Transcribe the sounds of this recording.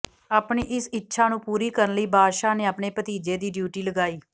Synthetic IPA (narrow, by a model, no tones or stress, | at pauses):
aːpɳiːʔɪsɪtːʃʰaːnũːpuːɾiːkəɾənləiːbʱaːʃaːneːaːpneːpət̪iːd͡ʒeːd̪iːɖjuːʈiːləɡaːiː